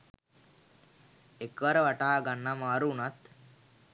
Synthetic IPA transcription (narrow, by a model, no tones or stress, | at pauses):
ekʋaɾəʋaʈaːɡanːamaːɾuːnat̪